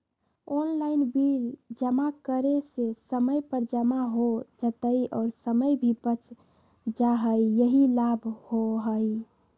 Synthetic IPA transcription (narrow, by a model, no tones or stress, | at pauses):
onlaɪnbild͡ʒəmakəɾesesəməjpəɾd͡ʒəmaɦod͡ʒət̪əiɔːɾsəməjbʱibət͡ʃ | d͡ʒaɦəjjəɦilabʱhoɦəj